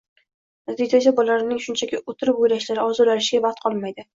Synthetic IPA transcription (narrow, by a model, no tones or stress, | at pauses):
ad̪id͡ʒ̪ad͡ʒabɒlaɾɪnɪŋʃʊnt͡ʃʰakʲɪʔot̪ʰɪɾɪp̚ojɾaʃlaɾɪɒzɒlaɾɪʃɪɡʲabɑχt̪̚qʰɒlˠmajd̪ɪ